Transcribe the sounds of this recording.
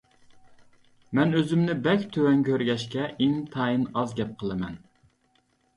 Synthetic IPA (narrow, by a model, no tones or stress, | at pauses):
mɛnøzymnɪbɛkʲt̪ʰøwɛŋkʲʰøɾɡʲɛʃkʲɛʔiŋt̪ʰɑːjɨnɑzɡʲɛp̚qʰəlˠɨmɛn